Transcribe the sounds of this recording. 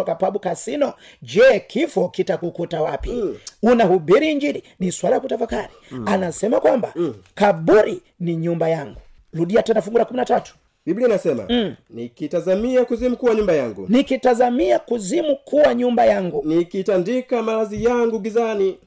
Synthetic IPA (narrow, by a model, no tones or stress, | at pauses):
ɔkapaɓukasinɔ | d͡ʒɛkʰifɔkitakukutawapiunahubiɾiːɲd͡ʒiɾiniswalaljakutafakaɾianasɛmakwamba̰kaɓuɾi | niɲumbajaŋɡu | luɗiatɛndafuŋɡulakuminatatu̥ | biblinasɛma̰nikitazamiakuzimukuwaɲumbajaŋɡṵnikitazamiakuzimukʰuwaɲumbajaŋɡunikitandikamalazijaŋɡuɡizani